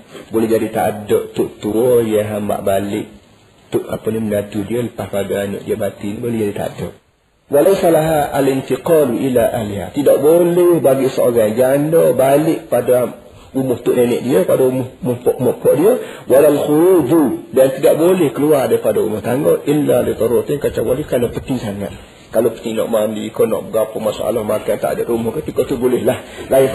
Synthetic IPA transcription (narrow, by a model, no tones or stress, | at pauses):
bolɛhd͡ʒadit̪a̰dɔʔt̪ʊʔt̪uɔjaɦamba̰ʔbalɪʔ | t̪ʊʔa̰pənimənat̪udiələpahpadaano̰ʔdiəmat̪inibolɛhd͡ʒadit̪a̰dɔ̰ʔ | walajsalaɦaʔalɪnt̪iqɑluʔilaʔaliɦa̰t̪idaʔbolɛhbaɡiʔsəo̰ɡaŋd͡ʒandɔbalɪʔpada | umʊht̪ʊʔnenɛ̰ʔdiəpadaumʊhmʊhpɔʔmɔʔpɔʔdiəwalalxuɾududant̪idaʔbolɛhkəluardaipadaṵmʊht̪aŋɡɔʔilːalit̪ɔɾʊt̪inkat͡ʃawalikanapət̪isaŋa̰t̪̚ | kalopə̥t̪inɔ̰ʔmandiːkonɔ̰ʔbəɡapɔmasa̰ʔa̰lɔhmakant̪a̰ʔa̰datumʊhkəp̪ikot̪ubolɪhlahlaɪ